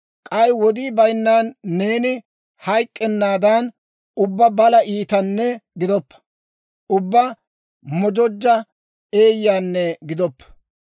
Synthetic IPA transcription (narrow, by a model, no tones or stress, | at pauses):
kʼɐjwɔd̪iːbɐjnːaːnːe̞ːnɪ | hɐjkʼːɛnːaːd̪ɐn | ʊbːɐbɐlɐʔiːt̪ɐnːɛɡɪd̪ɔpːɐ̥ | ʊbːɐ | mɔd͡ʒɔd͡ʒːɐ | e̞ːjːaːnːɛɡɪd̪ɔpː